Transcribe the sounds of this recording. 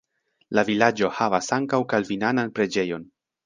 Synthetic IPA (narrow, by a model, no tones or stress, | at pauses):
lavilad͡ʒo̞havasaŋkawkalvinananpɾe̞d͡ʒe̞jo̞n